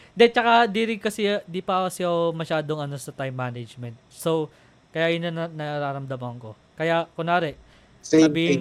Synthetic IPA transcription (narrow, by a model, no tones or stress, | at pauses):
nd̪ɛt͡ʃɐkad̪iːɾɪŋkɐsɛd̪ipaːwɐsɪɐomɐʃaːd̪oŋɐno̞sɐt̪ajmːanɐd͡ʒmɛnt̪̚sow | kɐjaʔjʊnɐnnɐaɾaːɾɐmd̪amɐŋko̞ | kɐjakonaːɾɛ | sɐbiːhɪn